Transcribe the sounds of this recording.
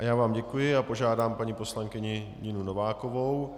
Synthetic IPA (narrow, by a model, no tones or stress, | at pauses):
ajaːvaːmɟɛkujɪapo̞ʒaːdaːmpaɲipo̞slaŋkɪɲɪ | ɲɪnunovaːkovo̞w